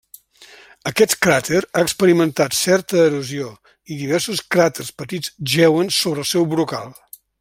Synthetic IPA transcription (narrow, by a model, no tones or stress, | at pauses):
əkɛt̪kɾat̪ʰeɾaəkspəɾimənt̪at̪sɛɾt̪əːɾuzio | iðiβɛɾsuskɾat̪erspət̪id͡zʒɛwənsoβɾəːlˠsɛwβɾuka̰lˠ